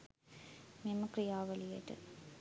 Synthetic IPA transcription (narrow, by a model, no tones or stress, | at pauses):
memːɐkrijaːʋɐlijḛʈːɨ̰